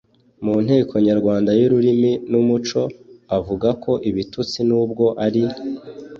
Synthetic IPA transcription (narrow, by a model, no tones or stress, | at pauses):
muːn̥heːkʰo̞ɲaɾɡwaːndajuɾuɾiminumut͡ʃo̞avuɡakʰo̞ʔiβitut͡sinuːb̚ɡo̞ʔaɾi